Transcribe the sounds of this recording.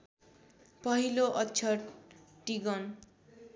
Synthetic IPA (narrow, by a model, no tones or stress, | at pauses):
pʌɦiloʔʌt͡ʃʰʌʈiɡʌn